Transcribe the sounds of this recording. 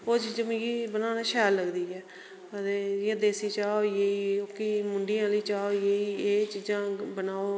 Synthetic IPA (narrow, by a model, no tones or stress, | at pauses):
oːt͡ʃiːd͡ʒə̃mːɡiːbənãːnãːʃɛːlləɡd̪iːɛː | ət̪eːjẽːd̪eːsiːt͡ʃaːoeiːokimʊɳɖijãːləiːt͡ʃaːojeːiːeːt͡ʃiːd͡ʒãːbənaːoː